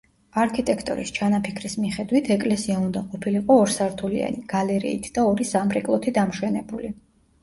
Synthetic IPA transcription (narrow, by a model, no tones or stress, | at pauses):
aɾkʰit̪ʼɛkʰt̪ʼɔ̰ɾḭst͡ʃʰanapʰikʰɾismiχɛd̪wit̪ʰɛkʼlɛsiaund̪aqʼɔpʰiliqʼɔːɾsaɾt̪ʰulia̰niɡ̥alɛɾḭːt̪ʰd̪aɔɾisamɾɛkʼlˠɔt̪ʰid̪amʃwɛnɛbuli